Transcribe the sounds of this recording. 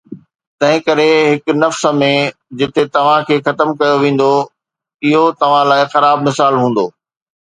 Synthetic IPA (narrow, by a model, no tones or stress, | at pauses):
t̪ɐ̃ɦɪ̃kɐɾeɦɪknɐfsə̆mẽd͡ʑɪt̪et̪ɐʋ̤ãkʰeːxɐt̪əmkɐjoʋẽːn̆d̪o | ɪɦot̪ɐʋ̤ãlaːɪxɐɾaːbmɪsaːlɦũːn̆d̪oː